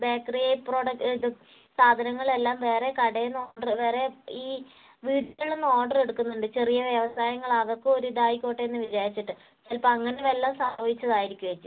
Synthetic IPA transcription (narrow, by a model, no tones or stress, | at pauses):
beːkrepro̞ːɽɐ | saːd̪ʱɐnɐŋːɐɭe̞lːaːmʋe̞ːre̞kɐɽɐjnoːɖɐrʋe̞ːre̞iː | ʋiːʈɐɭːenːo̞ːɖɐre̞ɽukːunːuɳɖɨt͡ɕe̞rijɐʋjɐʋɐsaːjɐŋːɐɭɐʋɐkːɨo̞ɾud̪aːjikʲːo̞ːʈːeenːɨʋid͡ʑaːɾit͡ɕːiʈːɨ | t͡ɕɐlpɐmɐŋːɐneʋelːɐmsɐmbʱɐʋit͡ɕːɐðaːjiɾikʲːuɐt͡ɕːu